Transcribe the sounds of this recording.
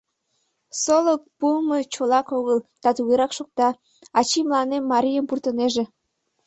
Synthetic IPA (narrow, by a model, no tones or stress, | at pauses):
solək̚pumət͡ɕolɑkoɣəlt̪ɑt̪uɣeɾɑkʃok̚t̪ɑ | ɑt͡ɕimlɑnemːɑɾʲijəmpurt̪əneʒe